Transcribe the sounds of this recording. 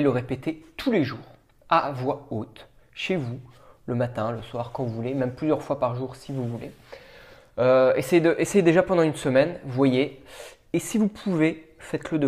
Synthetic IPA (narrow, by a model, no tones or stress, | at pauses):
ləʁepet̪et̪ʰuleʒuːʁ | avwaot̪ʃevuləmat̪ɛ̃ləswaʁkɑ̃vuvulemɛmplyzjœʁfwapaʁʒuʁsivuvule | øesejed̪əʔesejed̪eʒapɑ̃d̪ɑ̃ynsəmɛnvwajeː | sivupʰuvefɛt̪ləd̪ə